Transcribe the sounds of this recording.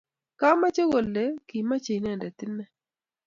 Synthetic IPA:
ka˦ma˦t͡ʃe˦ɣo˨le˨˦ki˨ma˦t͡ʃe˨i˨nɛ˦˨ndɛ˨t̪ɪ˦nɛ˦

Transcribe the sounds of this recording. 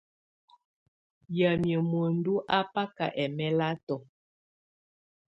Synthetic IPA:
ja˨mjə˨mo˨n˦du˦ʔa˦pa˦ka̰˨ʔɛ˨mɛ˦la˦tɔ˨

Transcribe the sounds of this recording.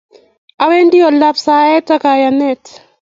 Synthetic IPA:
a˨we˦ndi˦ɔ˨la˦psa˨ɛ˦ta˦ka˨ja˨nɛ˦˨t

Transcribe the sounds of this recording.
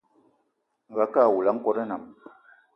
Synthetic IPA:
ŋ̩˨ɡa˨˦ka˦˨wu˨la˦ŋ̩˦kɔ˦ɾə˦na˨m

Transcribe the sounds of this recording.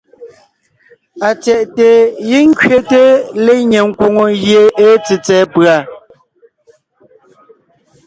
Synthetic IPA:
a˨t͡sɛ˨ʔte˨ji˦ŋ̩˦kɥe˦te˦le˦˨ɲe˨ŋ̩˦kwo˨ŋo˨ɣje˨e˨˦t͡si˨t͡sɛː˨˦pɰa˨

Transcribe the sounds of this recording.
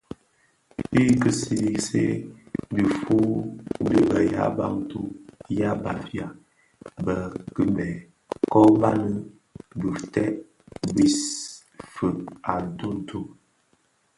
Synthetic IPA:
pi˦kə˦si˦i˦sḛ˦di˨fu˦n̩˦di˦bə˨ja̰˦ba̰˦ŋtu˦ja˦ba˨fja˨ | bə˨kə˦mɛ˨ | kɔ˦ba˦nə˦ | bu˨tɛ˦ʔ | bi˦s | fə˨a˨tu˦n˨˦tʰu˦

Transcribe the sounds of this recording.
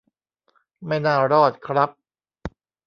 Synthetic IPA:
ma˥˩jnaː˥˩ɾɔː˥˩t̪̚kʰɾa˦˥p̚

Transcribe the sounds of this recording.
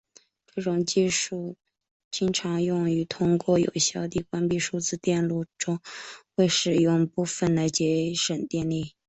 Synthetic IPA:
ʈ͡ʂɤ˥˩ʈ͡ʂʊ˨˩ŋt͡ɕi˥˧ʂu˥˩ | t͡ɕi˥ŋʈ͡ʂʰɑ˧˥ŋjʊ˥˩ŋy˧˥t̪ʰʊ˥ŋkwɔ˥˩jo̰˨˩ʊɕjɑ˥˧ʊt̪i˥˩kwa˥npi˥˧ʂu˥˧t͡sɹ̩˥˧t̪jɛ˥˧nlu˥˩ʈ͡ʂʊ˥ŋxwe˥˧ɪʂɻ̩˨˩jʊ˥˩ŋpu˥˧fə˥˩nd̪ə˩t͡ɕjɛ˧˥ʂə˨˩nt̪jɛ˥˧nli˥˩

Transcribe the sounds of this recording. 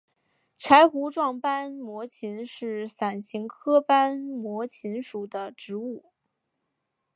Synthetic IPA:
ʈ͡ʂʰa˧˥ɪxu˧˥ʈ͡ʂwɑ˥˩ŋpa˥nmwɔ˧˥t͡ɕʰi˧˥nʂɻ̩˥˩sa˨˩nɕi˧˥ŋkʰɤ˥pa˥nmwɔ˧˥t͡ɕʰi˧˥nʂu˨˩d̪ə˦ʈ͡ʂɻ̩˧˥u˥˩

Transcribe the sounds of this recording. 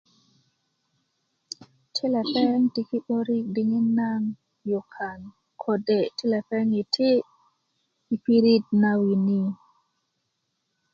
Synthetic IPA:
tʰe˦la˨pɛ˦ŋti˦ki˦ɓo˦ɾi˦kdi˨ŋi˦na˦ŋ | jɔ˨kʰa˨n | kʰo˨de˨ti˦la˨pɛ˦ŋi˨tʰe˦ | i˨pi˦ɾi˦t̚na˨wi˨ni˦

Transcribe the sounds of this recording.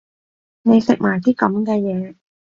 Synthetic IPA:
ne˨˧jsɪ˨k̚maː˨˩jt̪iː˥kɐ˨˦mkɛː˧jɛː˨˧

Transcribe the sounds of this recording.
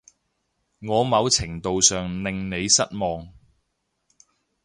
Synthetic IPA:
ŋɔː˨˧mɐ˨˧wt͡sʰɪ˨˩ŋt̪o˨wsœː˨ŋnɪ˨ŋne˨˧jsɐ˥t̚mɔː˨ŋ

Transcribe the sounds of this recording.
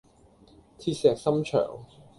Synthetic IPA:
t̪ʰiː˧t̚sɛː˨k̚sɐ˥mt͡ʃʰœ̰ː˨˩ŋ

